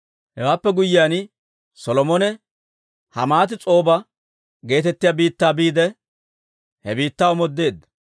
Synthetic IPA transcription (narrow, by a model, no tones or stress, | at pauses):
hɛwaːpːɛɡʊjɪjaːn | sɔlɔmɔnɛ | hɐ̰maːt̪̬ɪt͡sʼo̞ːbɐ | ɡe̞ːt̪ɛt̪ːɪjaːbiːt̪ːaːbiːd̪ɛ | hɛbiːt̪ːaːwɔmɔd̪ːe̞ːd̪ːɐ